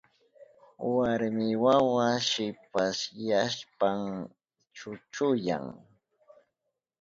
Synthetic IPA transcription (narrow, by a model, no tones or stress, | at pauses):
waɾmɪwawaʃɪpaʃjaspaŋ | t͡ʃʊt͡ʃʊja̰ŋ